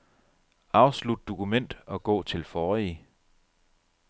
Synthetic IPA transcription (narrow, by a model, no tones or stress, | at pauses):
ɑ̈ʊslud̥̚d̥o̝kʰumen̰d̥ɒ̽ɡ̥ɔ̰̽ːt͡sʰe̝lfɒːi